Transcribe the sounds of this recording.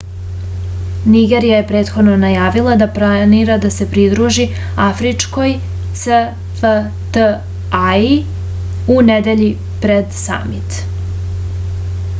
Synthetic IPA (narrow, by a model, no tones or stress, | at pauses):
niɡe̞ɾijaje̞pɾeːt̪xo̞d̪no̞najaːʋilˠad̪aplˠaniɾad̪ase̞pɾid̪ɾuʒi | afɾit͡ʃko̞j | sə | fə | t̪ə | ai | uned̪e̞ʎi | pɾe̞d̪sa̰mit̪